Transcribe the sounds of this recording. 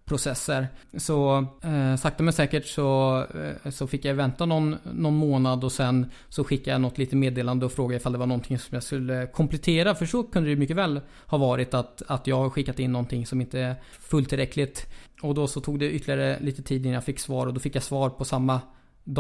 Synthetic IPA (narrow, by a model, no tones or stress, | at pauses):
pʰɾʊsɛsːəɾsɔ | sak̚t̪amɛjsɛːkəʈsɔ | sɔfɪkːjajvɛnt̪anɔnːɔnːmoːnad̪ɔsɛn | sɔɧɪkːajanɔt̪liːt̪əmeːd̪eːland̪əɔfɾoːɡaɪfald̪ɛvaɳɔnt̪ʰɪŋsɔmjaskɵlːəkʰɔmpʰlɛt̪ʰeːɾafœʂɔkʰɵnd̪ədɛjʉmʏkːəvɛːl | hɑːvɑːɾɪt̪at̪at̪jɑːɡhɧɪkːat̪ɪnːɔnt̪ʰɪŋːsɔmɪnt̪əæ | fɵlt̪ʰɪlɾɛkʰlɪt̪ | ɔd̪ɔsɔt̪ʰuːɡd̪ɛʔʏt̪ʰːlɪaɾəliːt̪ət̪ʰiːd̪ɪnajafɪkːsvɑːɾɔd̪ɔfɪkːjasvɑːɾpʰɔsamːa | d̪